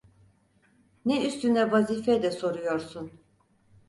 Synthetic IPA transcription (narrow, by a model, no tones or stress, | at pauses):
nɛyst̪ynɛvaziːfɛd̪ɛso̞ɾujo̞ɾsun